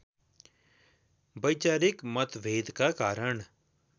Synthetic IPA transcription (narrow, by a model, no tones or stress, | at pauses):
bəjt͡ʃaːɾɪkmət̪ʋeːd̪kakaːɾəɳ